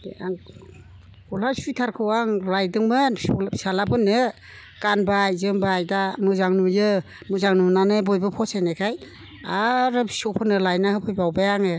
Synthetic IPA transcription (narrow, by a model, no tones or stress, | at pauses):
aŋ | kɔlasujtʰaɾkʰɯwaŋlajdɯŋmɯnsalapʰɯnːɯ | kanbajzɯmbajdanuzaŋnujɯ | nuzaŋnunanɯbɔjbɯpʰɔsajnajkʰaj | aɾɯsɔpʰɯnɯlajnahɯpʰɯjbawbajaŋɯ